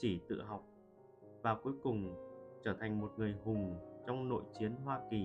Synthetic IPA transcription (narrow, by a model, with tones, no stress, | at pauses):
t͡ɕi˧˩t̪ɨ̰˧˨ɦa˨˩wk͡p̚ | vaː˨˩ku˨˦jkʊ˨˩ŋ͡mt͡ɕəː˧˩t̪ʰa˨˩jŋ̟mo˨˩t̚ŋɨ˨˩əjɦʊ˨˩ŋ͡mt͡ɕɔ˧wŋ͡mno̰˧˨jt͡ɕi˨˦ənɦwaː˧ki˨˩